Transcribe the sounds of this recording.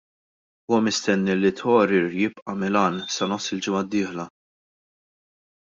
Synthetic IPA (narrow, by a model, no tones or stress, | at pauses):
uːwɐmɪst̪ɛnːilːit̪ʰɔːɾɪɾjɪpʔɐmɪlɐːnsɐnɔsːɪld͡ʒɪmɐd̪ːiːħlɐ